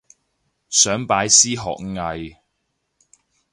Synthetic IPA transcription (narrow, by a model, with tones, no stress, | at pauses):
sœː˨˥ŋpaː˨˧jsiː˥ɦɔ̰ː˨k̚ŋɐ˨˧j